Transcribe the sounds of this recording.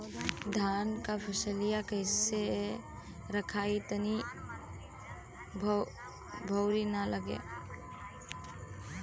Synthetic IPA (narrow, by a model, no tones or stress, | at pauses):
d̪ʱankapʰəsəlijakəɪse | ɾəkʰait̪əni | bʱ | bʱəwɾinaləɡḛ